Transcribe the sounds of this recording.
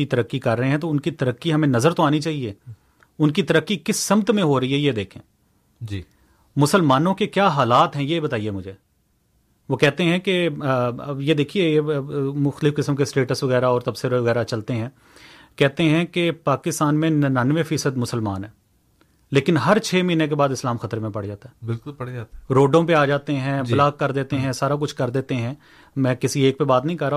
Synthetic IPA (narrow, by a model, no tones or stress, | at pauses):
it̪ɐɾəkːikɐɾːɐɦẽɦɛ̃t̪oʊnkit̪ɐɾəkːiɦɐmẽnɐzəɾt̪oaːnit͡ʃaːɦieː | ʊnkit̪ɐɾəkːikɪsːɐmt̪mẽɦoɾɐiɦɛjed̪eːkʰḛ̃ː | d͡ʒ | mʊsəlmaːnõkekjaːɦaːlaːt̪ɦɛ̃jebɐt̪aːiemʊd͡ʒʱeː | ʋokɛɦt̪eɦɛ̃ke | jed̪eːkʰiejemʊxt̪əlɪfkɪsəmkesʈeːʈəsʋɐɣɛːɾaɔːɾt̪ɐbsəɾʋɐɣɛːɾat͡ʃɐlt̪eɦɛ̃ː | kɛɦt̪eɦɛ̃kepaːkɪst̪aːnmẽnnaːnʋẽfiːsəd̪mʊsəlmaːnɦɛː | leːkɪnɦɐɾt͡ʃʰeːmiːnẽk̬ebaːd̪ɪslaːmxɐt̪əɾmẽpɐɽd͡ʒaːt̪aɦɛːbɪlkʊlpɐɽd͡ʒat̪ɾoːɖõp̬eaːd͡ʒaːt̪eɦɛ̃ːblaːɡ̚kɐɾd̪eːt̪eɦɛ̃saːɾak̬ʊt͡ʃʰkɐɾd̪eːt̪eɦɛ̃ː | mɛ̃ːkɪsieːk̚pebaːt̪nɐɦĩkɐɾːaː